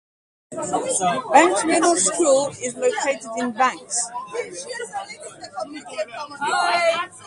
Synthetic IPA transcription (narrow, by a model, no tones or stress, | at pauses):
b̥ãŋkmɪdl̩ˠskʰuːlɪzləʊkʰeɪtɪdɪ̃nbãŋks